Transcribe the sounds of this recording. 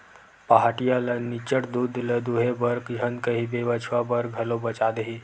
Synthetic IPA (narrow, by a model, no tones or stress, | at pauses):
paɦaːʈijalənit͡ʃəʈd̪uːd̪ləd̪uɦebɐɾkd͡ʒʱənkəɦibeʋət͡ʃʰwabɐɾɡʱɐlobɐt͡ʃaːd̪əɦiː